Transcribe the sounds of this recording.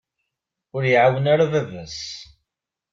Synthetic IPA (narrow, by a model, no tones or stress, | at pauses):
ʊɾjiʕawənaɾavævæs